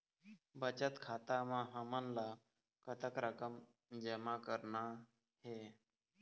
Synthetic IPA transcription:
bət͡ɕət̪kʰat̪amãɦəmənla | kət̪əkɾəkəm | d͡ʒəmakəɾɳa | he

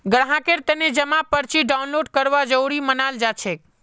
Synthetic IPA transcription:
ɡəɽɦãkeɾt̪əned͡ʒəmãpəɾt͡ʃiɖaunloɖkəɾʋad͡ʒəwɽimənald͡ʒat͡ʃʰek

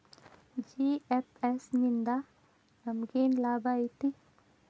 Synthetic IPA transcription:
d͡ʒiepʰesnind̪a | ɐmɡeːnlaːbait̪i

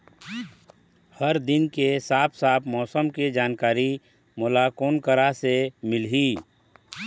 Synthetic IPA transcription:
həɾd̪ɪnkesaːpʰsaːpʰmɔːsəmked͡ʒaːnkaːɾi | mʊlakoːnkəɾasemɪlɦiː

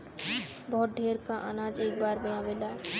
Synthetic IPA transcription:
bɔːt̪̚ɖʱeːɾkaʔanãːd͡ʒeːk̚baːɾbɐjãʋeːlaː

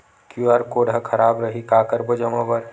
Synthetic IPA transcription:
kjuaːɾkoːɽʱakʰəɾaːbɾəɦikakəɾbəd͡ʒəmãbəɾ

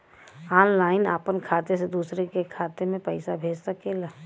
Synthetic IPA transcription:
aːnlaːɪna̰ːpənkʰaːt̪esed̪uːsɾekekʰaːt̪emẽpəɪsabʱeːd͡ʒsəkeːlaː

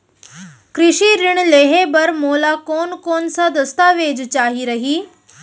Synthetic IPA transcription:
kɾɪʃiɾɪɽ̃leːɦebɐɾmoːlakoːnkoːnsad̪ɐst̪aːʋeːd͡ʑt͡ɕaːɦiɾɐɦiː

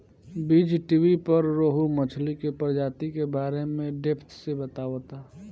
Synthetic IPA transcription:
biːd͡ʒʈiʋipəɾːoːɦumət͡ʃʰlikepəɾd͡ʒaːt̪ikebaːɾemẽɖeːpʰt̪ʰsebət̪aːʋot̪aː

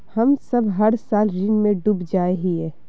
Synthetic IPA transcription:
hɐmsɐbʱɦɐɾsaːlɾɪnmẽɖubd͡ʒaːeɦiɛː

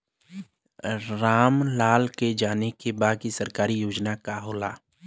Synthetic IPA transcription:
ɾaːmlaːlked͡ʒaːnekebaːd̪̚kisəɾkaːɾijoːd͡ʒnakaɦoːla̰ː

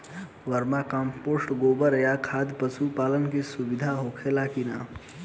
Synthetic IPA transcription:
ʋɐɾmakãːmpoːsʈɡoːbəɾəjakʰaːd̪ʱpəsupaːlənkisuʋɪd̪ʱaɦoːkʰelakina̰ː

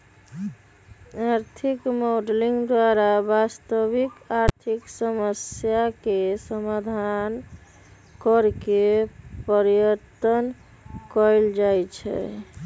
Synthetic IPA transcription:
aɾt̪ʰikmoɖliŋɡd̪waɾabast̪əbikaɾt̪ʰiksəməsjakesəmad̪ʱan | kəɾkepəɾjət̪ən | kɔjld͡ʒajt͡ʃʰɛ̰

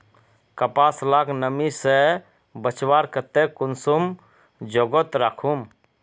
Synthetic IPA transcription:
kəpaslaknəmise | bət͡ʃwaɾkət̪ekʊnsum | d͡ʒoɡɔt̪ɾaːkʰum

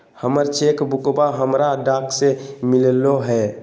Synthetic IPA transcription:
həməɾt͡ʃekbʊkbaɦəmɾaɖaːksemɪlloɦɛ

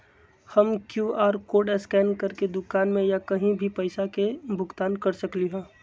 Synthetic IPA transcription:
hɐmkjuːaːɾkoːɖɛskɛːnkɐɾked̪ʊkaːnmẽjakɐɦĩbʱipɐɪsakebʱʊkt̪aːnkɐɾsɐkliɦɛ̃ː

